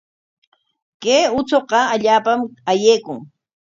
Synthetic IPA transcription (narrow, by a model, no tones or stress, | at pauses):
keːʊt͡soqɑaʎaːpamajeːkʊŋ